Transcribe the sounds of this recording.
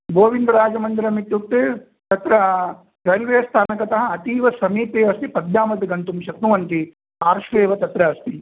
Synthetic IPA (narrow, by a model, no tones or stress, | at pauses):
ɡoːʋind̪ɐɾaːd͡ʒɐmɐnd̪ɐɾɐmit̪ːjuk̚t̪eː | t̪ɐt̪ɾɐ | sɐlʋeːst̪ʰaːnɐkɐt̪ɐɦɐ̆ːt̪iːʋɐsɐmiːpeːʋɐst̪ipɐd̪jaːmɐt̪iɡɐnt̪umʃɐk̪nuʋɐnt̪i | aːɾʃʋeːʋɐt̪ɐt̪ɾɐɐst̪i